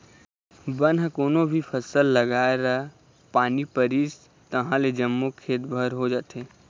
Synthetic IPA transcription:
bənɦkoːnobʱipʰəsəlːəɡaːeɾəɦ | paːnipəɾiːs | t̪əɦãled͡ʒəmːokʰeːt̪bʱəɾɦod͡ʒaːt̪eː

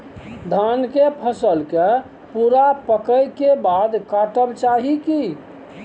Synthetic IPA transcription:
d̪ʱankepʰəsəlke | puɾapəkəjkebad̪kaʈəbt͡ʃaɦiki

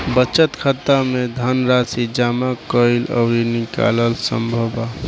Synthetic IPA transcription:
bət͡ʃət̪kʰət̪amẽd̪ʱənɾasid͡ʒaːmakəɪlɔ̰ʊɾinɪka̰ləlsə̰̃mbʱəba

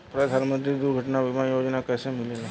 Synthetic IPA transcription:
pɾɐd̪ʱaːɾmə̃t̪̬ɾid̪uɾɡʱɐʈnabʱɪmajoːd͡ʒnakɛːsemɪlela

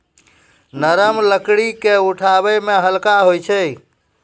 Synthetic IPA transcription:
nəɾəmləkɽikeuʈʰabəmeɦəlkaɦojt͡ʃʰəj

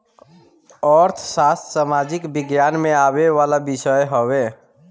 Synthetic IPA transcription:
ɔɾt̪ʰsast̪samad͡ʒikbɪɡjanmeabeʋalabɪsəjɦowe

